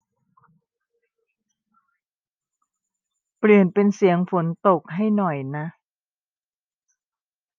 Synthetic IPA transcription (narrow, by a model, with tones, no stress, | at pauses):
pli˨˩ənpe˧nsi˩˦əŋfo˨˦nt̪o˨˩k̚ɦa˥˩jnɔ˨˩jna˦˥ʔ